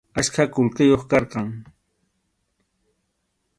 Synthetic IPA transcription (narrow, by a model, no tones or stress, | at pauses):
askʰakʊlqɪjoχkɑɾqɑŋ